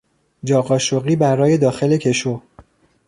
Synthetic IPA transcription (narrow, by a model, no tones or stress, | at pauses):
d͡ʒɒːɣɒːʃoɣiːbæɾɒːje̞d̪ɒːxe̞le̞cʰe̞ʃo